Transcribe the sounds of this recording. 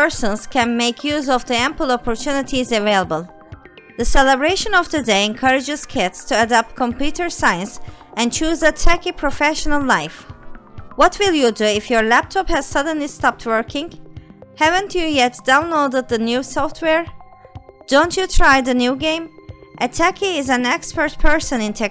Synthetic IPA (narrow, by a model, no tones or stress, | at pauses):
əɹsə̃nz̥kɛ̃nmeɪkʰjuzɔvðiæ̃mpəl̩ˠɔpʰɔɹtʰjunɪtʰizəveɪlˠəbəlˠ | ðəsɛləbɹeɪʃə̃nɔvðɨdeɪɛ̃nkʰʌɹɪd͡ʒɨz̥kʰɪtstʰuədap̚t̚kʰɔ̃mpjutə˞saɪɨ̃nsɨ̃nt͡ʃuzətʰækipʰɹ̥ɔfɛʃənəlˠlaɪf | wʌtʰwɪlˠjɨduɪfjɔ˞læp̚tʰɔphæz̥sʌd̃n̩listɑp̚tʰwɜɹkɪ̃ŋhævə̃ntʰɨjɛt̚d̥ãʊ̃nlodəd̪̚ðənjusɔftʰwɛɹ | d̥õʊ̃ntʰjɨtʰɹ̥aɪðɨnjuɡẽɪ̃mʔɨtʰækʰiɪzæ̃nɛkspə˞t̚pʰɜ˞sɨ̃nɪ̃ntʰɛ